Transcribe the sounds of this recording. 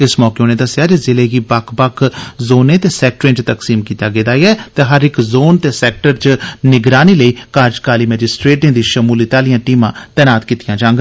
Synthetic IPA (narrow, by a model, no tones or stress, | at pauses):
ɪsmɔːkeoːneːd̪əsːjaːd͡ʒezɪleːɡiːbakʰbəkʰzoːnẽːt̪eːsɛːk̚ʈɾẽːt͡ʃt̪əksiːmkiːt̪aːɡeːd̪aːiɛːt̪eːɦəɾɪkzoːnt̪eːsɛːk̚ʈəɾt͡ʃnɪɡɾaːniːləiːkaːɾd͡ʒkaːliːmɛːd͡ʒɪsʈɾeːʈɪ̃ːd̪iːʃəmuːlit̪aːlɪjãːʈiːmãːt̪ɛːnaːt̪kiːt̪ɪjãːd͡ʒãːŋɡ